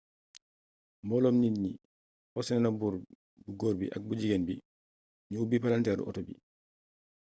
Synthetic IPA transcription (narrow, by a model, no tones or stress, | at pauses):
mbɔlɔmninni | ɔsɛnɛnabuːɾ | buɡoːɾbḭʔa̰k̚bud͡ʒiɡenbi | ɲubipalantɛːɾṵʔɔ̰tɔbḭ